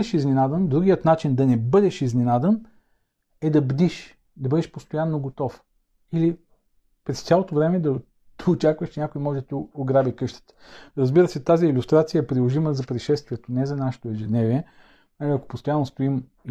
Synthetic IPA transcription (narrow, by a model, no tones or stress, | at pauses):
d̪ɛʃiznɛnad̪ənd̪ɾuɡijət̪nat͡ʃind̪ɐnɛbɤd̪ɛʃiznɛnad̪ən | ɛd̪ɐbd̪iʃ | d̪ɐbɤd̪ɛʃpost̪ojanːoɡot̪ɔf | ili | pɾɛst̪sʲalˠot̪ovɾɛmɛd̪ɐ | d̪̥ɐot͡ʃakvəʃt͡ʃnʲakoimɔʒɛd̪ɐt̪ioɡɾabikɤʃt̪ə̥t̪ə̥ɾəzbiɾəsɛt̪aziːlʲust̪ɾat̪sijəɛpɾilˠoʒiməzɐpɾiʃɛst̪viɛt̪onɛzɐnaʃɛ̥t̪oɛʒɛd̪nɛviɛ | naliɐko̥post̪ojanːost̪oim